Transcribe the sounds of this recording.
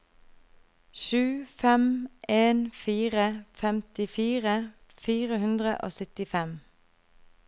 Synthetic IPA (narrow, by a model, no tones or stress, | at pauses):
ʃʉːfɛmʔeːnfiːʁəfɛmt̪ɪfiːʁə | fiːʁəhʉnd̪ʁə̰ʔo̰ːsʏt̪ɪfɛm